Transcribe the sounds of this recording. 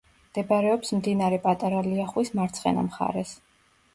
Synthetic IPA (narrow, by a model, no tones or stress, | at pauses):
md̪̥ɛbaɾɛɔpsmd̪inaɾɛpʼat̪ʼaɾaliaχwismaɾt̪sʰχɛ̰na̰mχa̰ɾɛs